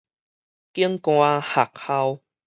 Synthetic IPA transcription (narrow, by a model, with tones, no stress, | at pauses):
ki˦əŋkõ˧˨a˦ha˨k̚ha˧w